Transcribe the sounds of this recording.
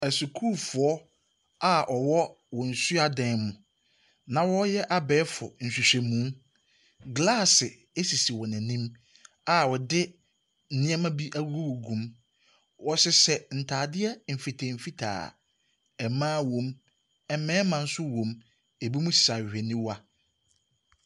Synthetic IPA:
æ˨su˨kʰu˦lfʊ˨ɔ˦ | a˨ʔɔ˨wɔ˦ | wɔ˨n̩˨su˦a˦dɛ̃˨nmʊ̃˨ | nã˨wɔ˦jɛ˦ʔa˨bɛː˨˦fʊ̰˨n̩˨ɕi˨ɕᶣe˨mũ˨˦ | ɡlaː˦˨sɪ˨ | e˦si˨si˨wɔ˨næ̃˨nĩ˦m | a˨wɔ˨dɪ˦ | n̩˨˦nɪ̃˦ɛ˦mã˦bi˦ʔa˦wu˦ɾo˦wo˨ɡũ˨m | wɔ˨sɪ˦sɛ˨n̩˨tʰaː˨dɪ˦ɛ˦m̩˨fi˨tʰe˨m̩˨fi˦tʰa̰ː˨ | ɛ˨mãː˦wõ˨m | ɛ˨mɛ̃ː˦mã˨n̩˦sʊ˦wõ˨m | e˨bi˦mũ˦ssa˨hᶣɛ˨nĩ˦wa˦

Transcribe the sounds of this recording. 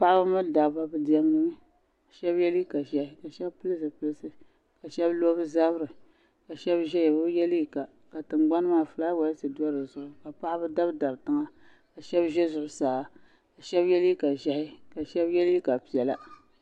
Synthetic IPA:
pa˦ʔa˦bɨ˦ma˦˨da˨ba˦bɨ˦di˦ɛ˦m˦nɨ˦mɨ˦ | ka˨ʃɛ˦bjɛ˦li˦ka˨ʒɛ˦hɪ˦ka˨ʃɛ˦bpɨ˦lɨ˦sɨ˨pɨ˨lɨ˦sɨ˦ | ka˨ʃɛ˦blo˦bɨ˦za˦bɾɨ˨ | ka˨ʃɛ˦bʒɛ˦jɛ˨bɨ˦bjɛ˦li˦i˦ka˨ | ka˨tɨ˨ŋɡ͡ba˦n˦maː˨fɨ˨laː˦wa˨˦sɨ˨du˦ɔ˦ɾɨ˨zʊ˦ʔʊ˨˦ka˨pa˦ʔbɨ˦da˦bda˨btɨ˦ŋa˦ | ka˨ʃɛ˦bʒɛ˦zʊ˨ʔʊ˨˦saː˨ | ka˨ʃɛ˦bjɛ˦li˦i˦ka˨ʒɛ˦hɪ˦ka˨ʃɛ˦bjɛ˦li˦ka˨pi˨ɛ˨la˦

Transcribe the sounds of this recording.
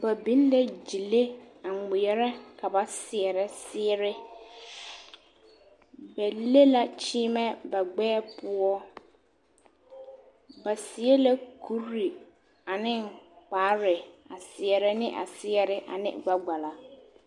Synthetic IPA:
ba˨bi˨˦n˦lɛ˦d͡ʒi˨le˦a˨ŋɪ˨jɛ˦ɾɛ˦ka˨ba˨sɪ˨ɛ˨ɾɛ˦sɪ˦ɛ˦ɾɪ˦ | bɛ˨le˦la˦t͡ʃiː˦mɛ˦ba˨ɡ͡bɛː˦pʊ˦ɔ˦ | ba˨sɪ˨˦ɛ˦la˦ku˨˦ɾɾi˨ | a˨nɪ˦ŋk͡paː˨˦ɾɪ˨a˨sɪ˨ɛ˨ɾɛ˦nɪ˦ʔa̰˨sɪ˦ɛ˦ɾɪ˦ʔa̰˨nɪ̰˦ɡ͡ba˦ɡ͡ba˨la˨

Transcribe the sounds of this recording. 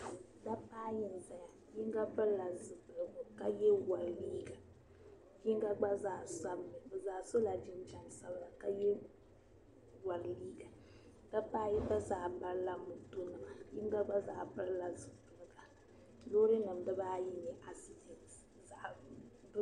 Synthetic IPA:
da˦paː˦jɪ˨n˨za˨ja˨ | ji˦ŋ˦ɡa˦pɨ˦ɾla˨zɨ˨bɨ˨lɨ˨ɡʊ˨ka˦jɛ˦wa˨lliː˦ɡa˨ | ji˦ŋ˦ɡa˦ɡ͡ba˦za˨sa˦bnɨ˨bɨ˨zaː˨so˦la˨d͡ʒɪ˦n˦t͡ʃa˦nsa˦bɨ˦la˨ka˦jɛ˦ | wa˨lliː˦ɡa˨ | da˦paː˦jɛ˦ta˦za˨ba˦ɾla˦mu˨tu˦nɨ˨ma˨ji˦ŋ˦ɡa˦ɡ͡ba˦za̰˨bɨ˦ɾla˨zɨ˨bɨ˨lɨ˨ɡa˨ | lo˦ɾɨ˦nɨ˨mdɨ˦baː˦ji˦nɛ˨ʔa˨si˦di˨n | za˨ʔ | b

